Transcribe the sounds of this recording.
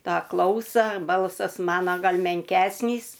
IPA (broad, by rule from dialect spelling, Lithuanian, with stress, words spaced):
ˈtɑː ˈklˠɐʊsɐ ˈbɐlˠsɐs ˈmɑːnoː ˈɡɐlˠ mʲɛŋʲˈkʲæːsʲnʲiːs